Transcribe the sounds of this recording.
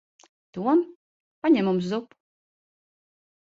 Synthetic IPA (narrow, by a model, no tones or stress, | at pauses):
t̪uɔm | paɲɛmums̬zupu̥